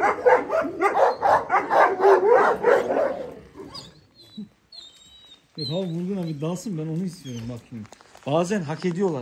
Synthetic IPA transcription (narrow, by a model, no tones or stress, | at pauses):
et̪hamamvuɾɡunaɡid̪alˠsɯnbæno̞nuhist̪ʰijo̞ɾumbakʰunbaːzænɦakʰed̪ijo̞lˠaɾ